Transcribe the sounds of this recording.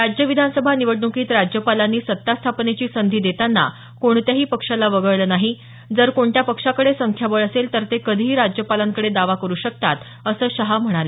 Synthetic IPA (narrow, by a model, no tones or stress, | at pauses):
ɾad͡ʑjəʋid̪ʱansəbʱaniʋəɽnukiːt̪ɾad͡ʑjəpalanːiːsət̪ːast̪ʰapnet͡ɕiːsənd̪ʱiːd̪et̪anːa̰ | koɳt̪jaɦiːpəkʂalaʋəɡəɭləːnaɦi | d͡zəɾkoɳtjapəkʂakəɽesəŋkʰjaʋəɭəselt̪əɾt̪ekəd̪ʱiɦiːɾad͡ʑjəpalaŋkəɽed̪aʋakəɾuːɕək̚t̪at̪ | əsəːɕəɦam̤əɽ̃ale